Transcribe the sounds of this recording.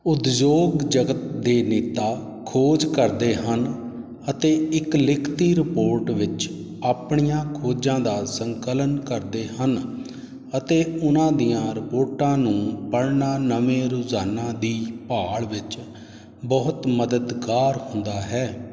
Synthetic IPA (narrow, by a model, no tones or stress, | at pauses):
ʊt̪d͡ʒoːɡd͡ʒəɡət̪d̪eːneːt̪aː | kʰoːd͡ʒkəɾd̪eːɦən | ət̪eːɪklɪkʰt̪iːɾɪpoːɾʈʋɪt͡ʃ | aːpɳijãːkʰoːd͡ʒãːd̪aːsəŋkələnkəɾd̪eːɦən | ət̪eːʊnãːd̪ijãːɾɪpoːɾʈãːnũːpəɽnaːnəʋẽːɾʊzaːnãːd̪iːpaːɭʋɪt͡ʃ | bɔːʊt̪məd̪əd̪kaːɾɦʊnd̪aːɦɛː